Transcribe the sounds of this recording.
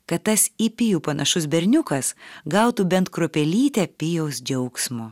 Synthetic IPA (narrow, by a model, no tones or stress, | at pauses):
kɐt̪tːɐsipʲɪjuːpɐnʔɐʃʊs̬bʲɛɾʲnʲʊkɐsɡɐʊt̪uːbʲɛnt̪kɾopʲɛlʲiːt̪ʲɛpʲɪjɛʊsd͡ʒʲɛʊksmʊ